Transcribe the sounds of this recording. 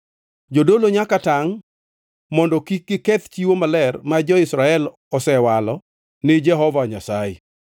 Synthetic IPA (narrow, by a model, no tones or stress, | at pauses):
d͡ʒodoloɲakataŋ | mɔndɔkikɪkɛt̪t͡ʃiwomalɛrmad͡ʒɔɪsɾaɛl | ɔsɛwalɔ | nɪd͡ʒɛɦɔvaɲasaɛ